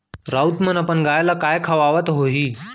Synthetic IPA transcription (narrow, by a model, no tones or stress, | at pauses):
ɾaut̪mənapəɳɡajlakajkʰaʋaʋət̪ɦoɦiː